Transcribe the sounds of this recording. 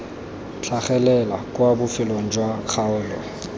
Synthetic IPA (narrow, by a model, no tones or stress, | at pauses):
t͡ɬʰaχɛlɛlakʼwabʊfɪloŋ̩d͡ʒwak͡xʰaʊːl